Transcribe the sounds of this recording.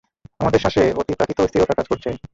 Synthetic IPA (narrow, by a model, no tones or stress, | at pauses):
amad̪eɾʃaʃeot̪ipɾakʰit̪ost̪ʰioʈakad͡ʑkoɾt͡ɕʰe